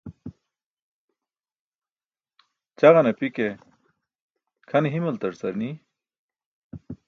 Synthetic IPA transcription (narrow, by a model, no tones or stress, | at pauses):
t͡ɕɐɣɐnɐpike | kʰɐnɦimɐlt̪ɐɾsɐɾni